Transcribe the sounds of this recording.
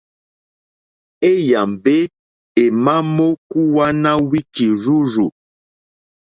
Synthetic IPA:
e˦ja˨mbe˦ | e˨ma˦mo˦ku˦wa˦na˦wi˦ki˨ɾu˦ɾu˨

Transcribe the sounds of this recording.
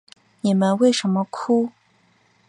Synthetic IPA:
je˨ma˨we˥˨ʂə˥˨mɐ˨kʷʰu˦

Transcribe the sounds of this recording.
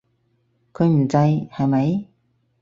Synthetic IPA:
kʰɵ˨˧ɥm̩˨˩t͡sɐ˧jhɐ˨jmɐ˨˧j

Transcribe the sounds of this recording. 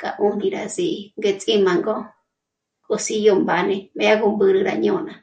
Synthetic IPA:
kʼa̰˨ʔũ˦nĩ˧ɾa˧zi˧ŋɡe˧t͡sʼĩ˦mã˧ŋɡo˦ | kʼo˧si˧jo˧mba˧nẽ˧mẽ˧ja˦ɣu˧mbɨ˧ɾɨ˧ɾa˧ɲõ˧nã˧˨

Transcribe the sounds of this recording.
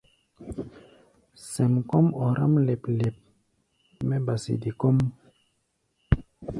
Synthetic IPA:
sɛ˨mkɔ˦mɔ˨ɾa˦mle˨ple˨p̚ | mɛ˦ba˨sḭ˨di˨ko˦m

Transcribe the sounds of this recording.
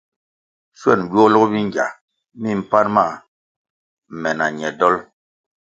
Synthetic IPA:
swɛ˦˨n˨bu˦ɔ˦lɔ˦bi˦ŋɡja̰˨ | mi˦˨m̩˦˨pa˦nma˦˨ | mɛ˨na˨ɲɛ˨dɔ˦l

